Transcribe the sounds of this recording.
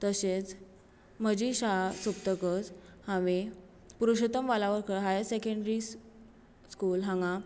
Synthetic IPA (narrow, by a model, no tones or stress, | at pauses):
t̪əɕet͡s | məd͡ʑiɕasup̚t̪əkət͡shãʋe | puɾuɕət̪əmʋalaʋəɾkəɦajsekəɳɖɾis | skuːlɦãŋɡa